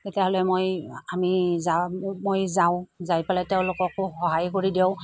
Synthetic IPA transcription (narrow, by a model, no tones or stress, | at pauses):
tetijaɦɔlɛmojamizamojzaʊ̃zajpalateʊ̃lʊkɔkoxɔɦajkoɹideʊ̃